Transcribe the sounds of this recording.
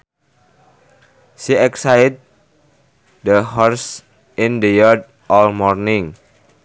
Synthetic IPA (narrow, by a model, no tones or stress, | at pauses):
siɛksajt̪̚ | d̪əhɔrs | ʔindəjad̚ | ʔɔlmɔrnɪŋ